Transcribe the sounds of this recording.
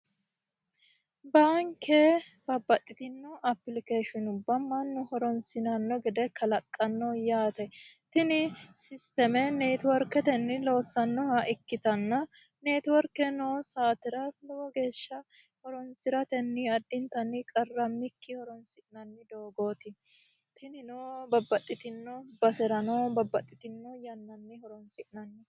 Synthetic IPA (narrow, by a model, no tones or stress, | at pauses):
baːŋkʰɛ | bɐbːɐt̪ʼːɪt̪ɪnːɔɐpːlɪkeːʃɪnʊbːɐmːɐnːʊhɔɾɔnsɪnɐnːɔɡɛd̪ɛkɐlɐkʼːɐnːɔjaːt̪ɛt̪ɪnɪsɪst̪ɛmɛneːt̪wɔɾkɛt̪ɛnːɪloːsɐnːɔhɐʔɪkːɪt̪ɐnːɐ | neːt̪ɪwɔɾkːɛnoːsaːt̪ɪɾɐlɔwɔɡe̞ːʃːɐ | hɔɾɔnsɪɾɐt̪ɛnːɪɐd̪ːɪnt̪ɐnːɪkʼɐrːɐmːɪkʰːɪhɔɾɔnsɪʔnɐnːɪd̪oːɡoːt̪ɪ | t̪ʰɪnɪnoːbɐbːɐt̪ʼːɪt̪ɪnːɔbɐsɛɾɐnɔːbɐbːɐt̪ʼːɪt̪ɪnːɔjɐnːɐnːɪhɔɾɔnsɪʔnɐnːɪ